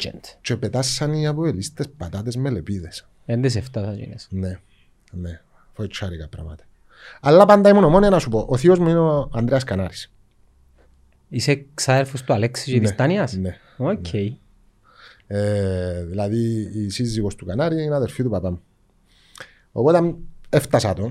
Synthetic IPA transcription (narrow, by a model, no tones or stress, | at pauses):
t͡ʃḛnt̪t͡ʃepet̪asːaniapoelist̪espat̪at̪ezmelepiðes | end̪is̬eft̪asad͡ʒḭnesne | ne | fet͡ʃʰːaɾikapɾa̰ma̰t̪e̥ | alːapand̪aimunomonianasupoʔːθiozminoand̪ɾeaskanaɾis | iseksaðeɾfust̪ualeksizʒinist̪aniɐsne | ocʰej | eðilaðiːsizːiɣost̪ukanaɾiinaðeɾfit̪upapam | opot̪ameft̪asat̪o